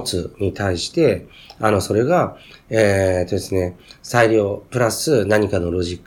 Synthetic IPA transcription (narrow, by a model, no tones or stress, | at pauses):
t͡sɨɲ̟it̪ʰaiɕi̥t̪e̞ | ano̞so̞ɾe̞ɡaet̪o̞d̪e̞sɨne̞saiɾʲjo̞ːpɯ̟ɾasɨnaɲ̟ikano̞ɾo̞ʑikː